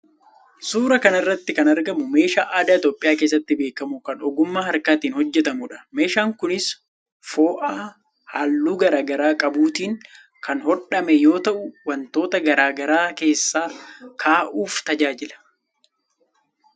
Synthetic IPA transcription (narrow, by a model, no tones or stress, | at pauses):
suːɾɐkɐnɪrːɐt̪ːɪkɐnɐɾɡɐmʊme̞ːʃaːʔaːd̪aːɪt̪o̞ːpʼːɪjaːkeːs̬ːɐt̪ːɪbe̞ːkːɐmʊkɐnɔɡʊmːaːhɐɾkaːt̪iːnhɔd͡ʒːɛt̪ɐmʊᶑɐ̥me̞ːʃaːŋkʊnɪs | foːʔaː | haːlːuːɡɐɾaːɡɐɾaːkʼɐbuːt̪iːŋ | kɐnhɔᶑɐmɛjo̞ːt̪ɐʔʊwɐnt̪o̞ːt̪ɐɡɐɾaːɡɐɾaːke̞ːsːaːkʰaːʔuːft̪ɐd͡ʒaːd͡ʒɪlɐ̥